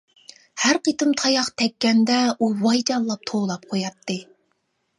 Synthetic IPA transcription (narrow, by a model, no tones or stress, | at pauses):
hæɾqʰət̪ɨmt̪ʰɑjɑqt̪ʰɛkʲːɛnd̪ɛuwɑjd͡ʒɑllˠɑp̚t̪ʰoːlˠɑp̚qʰojɑt̪ʰːɨ